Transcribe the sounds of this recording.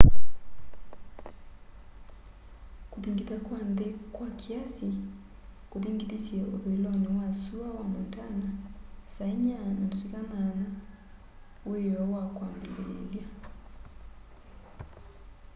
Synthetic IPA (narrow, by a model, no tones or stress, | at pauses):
kuðiŋɡiðakwanðɛkwakʰiasi | kuðiŋɡiðisiaʔoðuilɔniwasuawamuntanasaiɲanandutikanana | weɔwakwambilɛlja